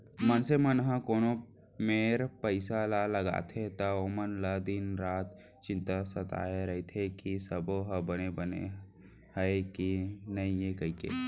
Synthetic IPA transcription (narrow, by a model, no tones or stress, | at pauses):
mənsemənɦə̃koːno | meɾpəɪsalaləɡa̰t̪ʰet̪əomənləd̪inɾaːt̪ | t͡ʃɪ̃nt̪asət̪a̰eɾəit̪ʰekisəboɦəbənebənḛ | həekinəiekəikḛ